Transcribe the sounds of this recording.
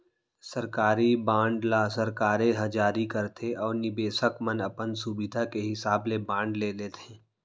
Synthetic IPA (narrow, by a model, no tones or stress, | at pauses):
sɐɾkaːɾibãːɳɖlaːsɐɾkaːɾẽɦɐ̃d͡ʒaːɾikəɾt̪ʰeʔɔːɾnɪbeːsəkmənɐpənsubɪd̪ʱakeɦɪsaːblebãːɳɖleːleːt̪ʰẽː